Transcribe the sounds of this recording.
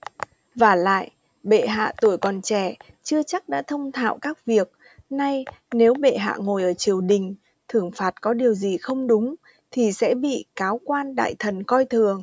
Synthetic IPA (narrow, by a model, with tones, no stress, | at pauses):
vaː˨˩la̰ː˧˨jʔ | ɓḛ˧˨ɦa̰ː˧˨t̪u˧˩əjkɔ˨˩nt͡ɕɛ˧˩ | t͡ɕɨ˧ət͡ɕa˦˥k̚ɗa̰ː˧˥t̪ʰə˧wŋ͡mt̪ʰa̰ː˧˨wkaː˦˥k̚vi˨˩ək̚ | na˧jne˨˦wɓḛ˧˨ɦa̰ː˧˨ŋo˨˩jʔəː˧˩t͡ɕi˨˩əwɗï˨˩ŋ̟ | t̪ʰɨ˨˧˩əŋfaː˨˩t̚kɔ˨˦ɗi˨˩əwzi˨˩xə˧wŋ͡mɗʊ˨˦ŋ͡m | t̪ʰi˨˩sɛ̰˧˥ɓḭ˧˨kaː˨˦wkwaː˧nɗa̰ː˧˨jt̪ʰə˨˩nkɔ˧jt̪ʰɨ˨˩əŋ